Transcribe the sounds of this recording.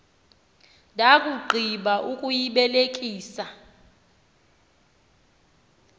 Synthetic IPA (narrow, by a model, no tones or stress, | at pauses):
ndʱʼakʼuɡ͡ǃʱiɓaʔukʼujiɓɛlekʼiːsa